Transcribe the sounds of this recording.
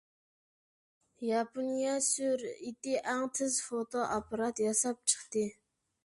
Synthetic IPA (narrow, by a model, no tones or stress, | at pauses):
jɑponijasøɾit̪ɪʔɑŋt̪ʰəzfot̪oʔapʰɑɾɑt̪jɑsɑp̚t͡ʃʰə̥χt̪ɪ